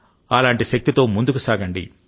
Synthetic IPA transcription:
aːlaːɳʈiʃɐk̚t̪it̪o̞ːmund̪ukusaːɡɐɳɖḭ

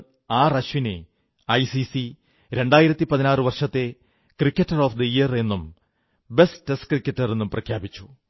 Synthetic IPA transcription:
aːrɐɕʋine | ɐjsisi | ɾe̞ɳɖaːjiɾɐt̪ːipɐðinaːrɨʋɐrʂɐt̪ːe̞ | krikʲːɐtːɐroːfd̪ɐijɐre̞nːum | be̞steskrikʲːɐtːɐre̞nːumprɐkʰjaːbit͡ɕːu̥

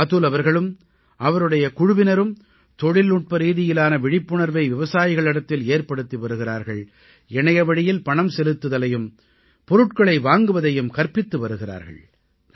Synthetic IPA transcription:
ɐt̪ɯlɐʋɐɾɣɐɭɯm | ʔɐʋɐɾɯɽɐjɐkʊɻʊʋɪnɐɾɯm | t̪ɔɻɪlnʊʈ̚pɐɾiːðɪjɪlaːnɐʋɪɻɪpːɯɳɐɾʋɐɪʋɪʋɐsaːjɪɣɐɭɪɽɐt̪ːɪleːɾpɐɽɯt̪ːiʋɐɾɯɣɪraːɾɣɐɭ | ɛɳɐjɐʋɐɽɪjɪlpɐɳɐmsɛlɯt̪ːɯðɐlɐjɯm | pɔɾɯʈ̚kɐɭɐɪʋaːŋɡɯʋɐðɐjɯmkɐɾpɪt̪ːɯʋɐɾɯɣɪra̰ːɾɣɐ̰ɭ

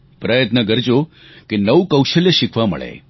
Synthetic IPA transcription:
pɾəjət̪nəkəɾd͡ʒo | kenəwkəwʃəljəʃikʰʋamə̰ɭḛ

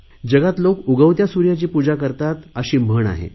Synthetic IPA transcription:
d͡ʑəɡat̪lokuɡəwt̪jasuɾjat͡ɕiːpud͡zakəɾt̪at̪əɕiːm̤əɳa̰ɦḛ

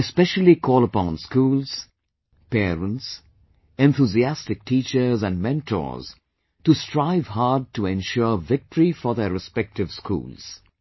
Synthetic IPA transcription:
ɛspɛʃəlˠikʰɔːləpɔ̃nskuːlz̥ | pɛːɹə̃nts | ɛ̃nθuziæstɪk̚tʰiːt͡ʃə˞zæ̃nmɛ̃ntʰɔ̰z̥ | tustɹaɪv̥haːd̚tuɛ̃nʃɔvɪk̚təɹifɔðəɹɪspɛk̚tɪv̥skʰṵːlˠz̥

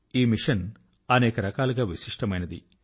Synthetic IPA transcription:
iːmiʂɐn | ɐneːkɐɾɐkaːluɡaːʋiʃiʂʈɐmɐjnɐd̪ḭ

